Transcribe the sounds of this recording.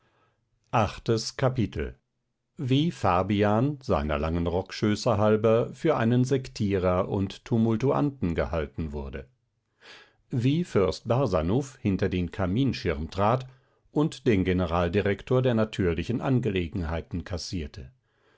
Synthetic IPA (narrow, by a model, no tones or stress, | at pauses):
ʔaχtəskʰapitʰl̩ | viːfaɐbiaːnza̰ɪnɐ̰laŋənʁɔkʃøːsɐɦalbɐfyːɐʔaɪnənzɛktʰiːʁɐʔʊ̰nttʰːumʊltuʔa̰ntn̩ɡəhaltn̩vʊɐdə | viːfʏɐst̚b̥aʁzanuːfhɪntɐdeːnkʰamiːnʃɪʁmtʁ̥aːt | ʔʊntd̥eːnɡenəʁaːldiʁɛktʰoːɐdeːɐnatʰyːɐlɪçn̩ʔanɡəleːɡŋ̩ɦaɪtn̩kʰasiːɐtʰə